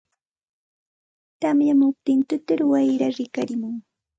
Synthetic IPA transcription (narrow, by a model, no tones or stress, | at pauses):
t̪amjamʊp̚t̪ɪnt̪ʊt̪ɪɾʊwajɾaɾɪkaɾɪmʊŋ